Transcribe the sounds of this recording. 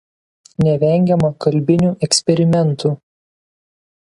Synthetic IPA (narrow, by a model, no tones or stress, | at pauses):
nʲɛʋʲɛˑŋʲɡʲɛmɐkɐlʲbʲɪnʲuːʔɛksʲpʲɛɾʲɪmʲɛnˑt̪uː